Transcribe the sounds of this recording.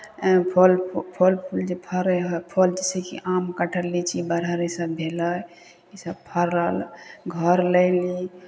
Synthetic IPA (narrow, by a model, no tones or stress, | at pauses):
pʰolpʰolpʰuld͡ʒepʰəɾɦɔpʰold͡ʒesikḭʔamkəʈʰəlit͡ʃʰibəɾɦəɾisəbbʱeləj | isəb̚pʰəɾːalɡʱəɾləɪli